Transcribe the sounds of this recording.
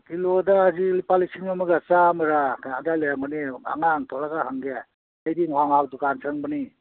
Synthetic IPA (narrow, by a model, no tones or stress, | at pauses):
kilodaːzilipalisiŋmamuɡasamɐɾakʰanadalejaŋbɔnia̰ŋaŋtʰɔlaɡahaŋɡe | ajdiŋwaŋawdukansʰaŋbɯni